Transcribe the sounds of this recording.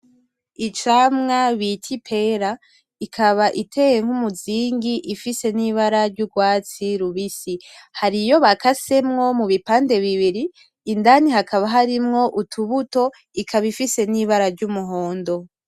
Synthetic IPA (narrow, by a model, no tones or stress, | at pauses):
it͡ʃaːmŋaβitʰipʰe̞ɾa | ikʰaβaʔitʰe̞jeŋ̥humuziːŋɡiʔifise̞niβaɾaɾɟuɡwaːt͡siɾuβisihaɾijo̞βakase̞mŋo̞muβipaːnde̞βiβiɾiː | ndaniɦakaβaɦaɾimŋo̞ʔutʰuβuto̞ | ikʰaβifise̞niβaɾaɾɟumuɦo̞ːndo̞